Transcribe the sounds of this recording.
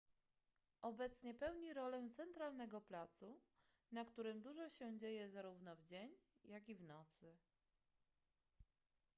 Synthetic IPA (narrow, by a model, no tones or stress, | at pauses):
ʔɔbɛt̪sɲɛpɛwɲiɾɔlɛt̪sɛnt̪ɾalnɛɡɔplat̪su | nakt̪uɾɘmd̪uʐɔɕɛd͡ʑejɛzaɾuvnɔvd͡ʑeɲjakʲivnɔt̪sɘ